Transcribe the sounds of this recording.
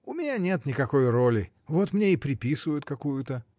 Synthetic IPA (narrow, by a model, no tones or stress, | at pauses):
ʊmʲɪnʲanʲe̞t̪nʲɪkɐko̞jrolʲɪ | vo̞t̪mnʲeipɾʲɪpʲisɨvəjʊt̪̚kɐkujʊt̪ə